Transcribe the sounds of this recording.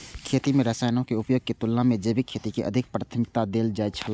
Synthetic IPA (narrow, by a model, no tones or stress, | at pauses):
kʰeːt̪imẽɾəsaːɪnõkeʊpjoːɡ̚ket̪ʊlːãmẽd͡ʒeːbikʰːeːt̪ikeʔɐ̰d̪ʱɪk̚pɾaːt̪ʰəmɪk̚t̪ad̪eːld͡ʒaːjt͡ʃʰəl